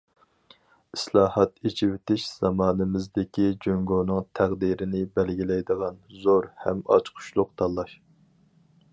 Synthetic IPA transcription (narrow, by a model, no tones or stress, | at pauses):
islˠɑːhɑt̪et͡ʃʰiwɪt̪ɪʃz̥ɑmɑːnɨmɪzd̪ɪkʲid͡ʒøŋɡoːnɨŋt̪ʰæʁd̪iɾɪnɪbælɡʲilɛjd̪əʁɑnzoɾhɛ̰mɑ̰t͡ʃqʰʊ̥ʃlˠʊqt̪ʰɑlˠːɑʃ